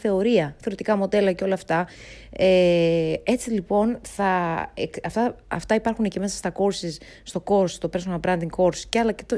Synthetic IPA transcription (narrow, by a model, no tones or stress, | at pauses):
θe̞o̞ɾiɐθeɾit̪ikɐmo̞d̪e̞lɐceo̞lɐːft̪ɐ | e | e̞t͡silipo̞nθɐekɐft̪ɐɐ̰ft̪ɐipɐɾxunece̞me̞sɐ̥st̪ɐko̞ɾsisː | t̪o̞ko̞ɾst̪o̞pɾesmɐbɾɐnd̪iŋko̞ɾsceɐlɐce̥t̪o